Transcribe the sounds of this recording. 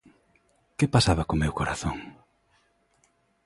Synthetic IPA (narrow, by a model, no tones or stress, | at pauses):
kɪpasaβakomewkoɾaθoŋ